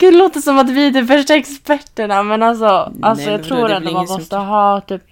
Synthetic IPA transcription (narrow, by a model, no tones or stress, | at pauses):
k̪loːt̪ːsɔmat̪vɪæd̪ɔfœʂʈaɛkspæʈːəɳamɛnalsɔʔalsɔjɑːɡt̪ʰɾuːɾɛnd̪ɔmanmɔst̪əɦɑːt̪ʰyːp